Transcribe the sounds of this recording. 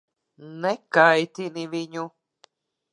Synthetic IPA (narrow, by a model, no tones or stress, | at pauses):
nekajt̪inĩʋiɲu